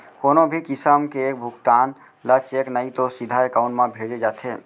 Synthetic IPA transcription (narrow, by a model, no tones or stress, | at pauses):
koːnobʱikisəmkeek̚bʱʊkt̪aːn | lat͡ʃeknəĩt̪osid̪ʱaekaʊnmãbʱed͡ʒed͡ʒaːt̪ʰe